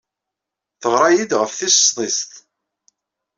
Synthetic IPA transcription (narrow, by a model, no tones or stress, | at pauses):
θəʁɾˤɑjid̪ʁəfθisə̥st̪ˤist̪